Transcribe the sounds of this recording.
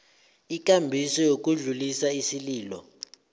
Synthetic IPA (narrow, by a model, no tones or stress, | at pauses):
ik̬ʼambʱisɔjok̬ʼuɮulisaisiliːlɔ̰